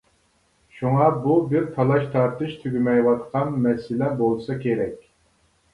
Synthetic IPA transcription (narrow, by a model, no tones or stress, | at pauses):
ʃuŋɑbubɪɾt̪ʰɑlˠɑʃt̪ʰɑɾt̪ɨʃt̪ʰyɡʲymɛjwɑt̪qʰɑnmɛsɪlɛbolˠsɑkʲeɾɛkʲ